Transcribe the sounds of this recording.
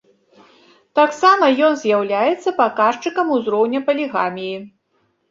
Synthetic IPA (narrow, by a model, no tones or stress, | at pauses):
t̪aksamɐjɔnzʲjawlʲajɛt̪sːɐpakaʂt͡ʂɨkɐmuzɾɔwnʲɐpɐlʲiɣamʲiji